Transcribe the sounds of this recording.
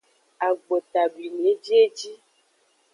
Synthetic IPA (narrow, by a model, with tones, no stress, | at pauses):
a˨ɡ͡bo˨t̪a˨bi˨n˨e˨˦d͡ʒi˦e˦d͡ʒi˦